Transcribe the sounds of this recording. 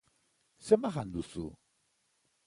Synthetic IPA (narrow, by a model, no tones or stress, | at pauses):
sɛmaxand̪usṵ